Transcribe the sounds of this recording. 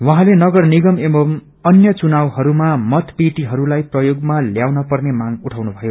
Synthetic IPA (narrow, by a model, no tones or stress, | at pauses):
wʌɦãlenʌɡʌrniɡʌmemom | ʌnjʌt͡sunawɦʌɾumamʌt̪piʈiɦʌɾulajprʌjoɡmaljawnʌpʌrnemaŋuʈʰawnubʱʌjo